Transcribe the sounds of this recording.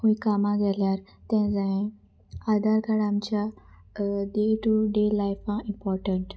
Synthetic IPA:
ɦũkamãd͡zaljaɾt̪ɛ̃d͡zaẽ | ad̪ʱaɾkaɽamt͡ɕja | ɖeʈuɖelajfãimpɔɾʈəɳʈ

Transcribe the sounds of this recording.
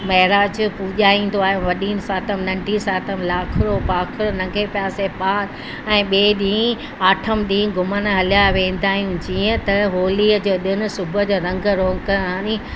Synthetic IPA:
mɐɦɪɾaːd͡ʑpuʄaːĩːn̆d̪oaːɦjũʋɐɗiːnsaːt̪ʰəmnɐ̃ɳɖʱisaːt̪əmlaːkʰɾopaːkʰɾonɐ̃ŋɡʱepjaːsepaːɾ | ɛ̃ːɓeːɗĩː | aːʈʰəmɗĩːɡʱʊmənɦɐljaʋẽːn̆d̪aːɦijũd͡ʑiːə̃t̪ɐɦoːliːəd͡ʑoːɗ̪ɪnʊ̆sʊbʱʊd͡ʑoɾɐ̃ŋɡɾoːŋɡkɐɾãːnĩ

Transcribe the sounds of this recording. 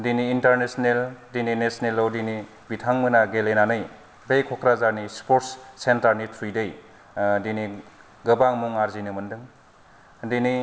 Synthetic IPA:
diniːntaɾnesneldininesnelawdini | bitʰaŋmɯnaɡelenanɯj | bejkʰɔkʰɾazaɾnispoɾtssentaɾnitʰɾujdej | dini | ɡɯbaŋmuŋaɾzinɯmɯndɯŋ | dini

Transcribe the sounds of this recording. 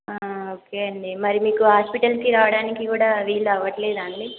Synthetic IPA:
aoːkeːɐɳɖimɐɾimiːkuɦaːspiʈɐlkiɾaːʋɐɽaːnikikuːɽaːʋiːluɐʋːɐʈleːd̪aːɳli

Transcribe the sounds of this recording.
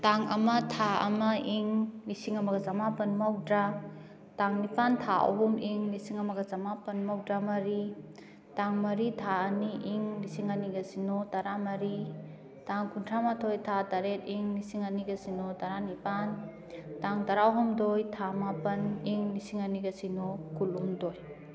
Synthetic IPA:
taŋɐmɐtʰaɐ̰mɐʔiŋlisiŋɐmɐɡɐzamapɐnmawdɾa | taŋnipantʰaʔɐ̰ɦumiŋlisiŋɐmɐɡɐzamapɐnmawdɾamɐɾi | taŋmɐɾitʰaːniʔiŋlisiŋaniɡɐsinɔtaɾamɐɾi | taŋkʰuntʰamatʰojtʰataɾet̚iŋlisiŋaniɡɐsinɔtaɾanipan | taŋtaɾawɦɔmdojtʰamapɐniŋlisiŋaniɡɐsinɔkulumdoj

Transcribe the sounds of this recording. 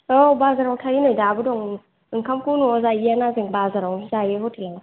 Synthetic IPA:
obazaɾawtʰaɾinojdaːbudɔŋ | ŋkʰamkʰunuɔzajianaziŋbazaɾawzajeɦotʰilana

